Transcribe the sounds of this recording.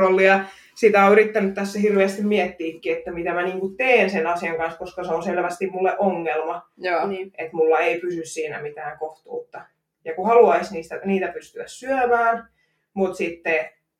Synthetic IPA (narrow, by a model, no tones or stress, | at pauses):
olːiɑ | sit̪æoyɾrit̪ːænyt̪t̪æsːæhirʋeːst̪immiɛt̪ːiːkːiet̪ːæmit̪æmæniːŋkut̪eːnsenɑsiɑŋkɑnskoskɑseonselʋæst̪immulːeʔoŋːelmɑ | et̪mulːɑeipysyssiːnæ̰mit̪æːŋkoht̪ṵːt̪ːɑ | jɑkuhɑluɑisniːst̪æniːt̪æpyst̪yæssyømæːn | mut̪sit̪ːe